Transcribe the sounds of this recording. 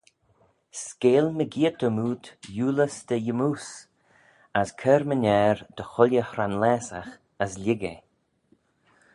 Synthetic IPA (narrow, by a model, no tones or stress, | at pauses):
skeːlməɡiət̪əmuːt̪juːləsd̪̥əjəmuːs | askʰɛːɾmənʲɛːɾd̪̥əxʊlʲjəhɾanlɛːsax | əslʲɪɡḛ